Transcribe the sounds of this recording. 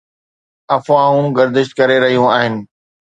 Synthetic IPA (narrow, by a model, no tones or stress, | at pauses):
ɐfʋãːũɡɐɾd̪ɪʃt̪kɐɾeɾɐɦijũaːɦɪnɪ̆